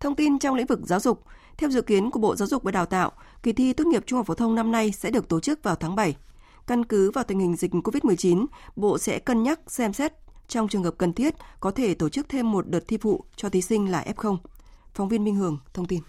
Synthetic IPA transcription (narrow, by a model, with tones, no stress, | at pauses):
t̪ʰə˧wŋ͡mt̪i˧nt͡ɕɔ˧wŋ͡mlḭ˧˥ŋ̟vɨ˨˩k̚zaː˨˦wzʊ˨˩k͡p̚ | t̪ʰɛ˧wzɨ̰˧˨ki˨˦ənku˧˩əɓo̰˧˨zaː˨˦wzʊ˨˩k͡p̚vəː˨˩ɗaː˨˩wt̪a̰ː˧˨w | ki˨˩t̪ʰi˧t̪wt̚ŋi˨˩p̚t͡ɕu˧ŋ͡mhfoː˨˦t̪ʰə˧wŋ͡mna˧mna˧jsɛ̰˧˥ɗɨ˨˩ək̚t̪o˧˩t͡ɕɨ˦˥k̚vaː˨˩wt̪ʰaː˨˦ŋɓa˧˩j | ka˧nkɨ˨˦vaː˨˩t̪i˨˩ŋ̟hï˨˩ŋ̟zï˨˩k̟̚ko˧vi˦˥t̚m˨˩əjt͡ɕi˨˦nɓo̰˧˨sɛ̰˧˥kə˧nɲa˦˥k̚sɛ˧msɛ˦˥t̚t͡ɕɔ˧wŋ͡mt͡ɕɨ˨˩əŋhəː˨˩p̚kə˨˩nt̪ʰi˦˥ət̚kɔ˨˦t̪ʰe˧˩t̪o˧˩t͡ɕɨ˦˥k̚t̪ʰe˧mːo˨˩t̚ɗəː˨˩t̚t̪ʰi˧fṵ˧˨t͡ɕɔ˧t̪ʰi˨˦sï˧ŋ̟laː˨˩ʔɛ˦˥p̚xə˧wŋ͡mfɔ˨˦ŋ͡mvi˧ənmï˧ŋ̟hɨ˨˩əŋt̪ʰə˧wŋ͡mt̪i˧n